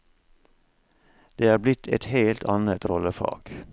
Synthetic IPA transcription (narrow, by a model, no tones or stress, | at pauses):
d̪̥eːɑːɾblɪt̪ʰɛ̰t̪heːlt̪ʰɑnət̪ɾɔləfɑ̰ːɡ̥